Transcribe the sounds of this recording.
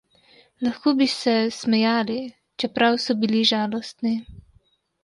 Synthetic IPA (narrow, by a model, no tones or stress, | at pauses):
laxkoːbisɛsmɛjaːli | t͡ʃɛpɾawsɔbiliʒaːlɔst̪ni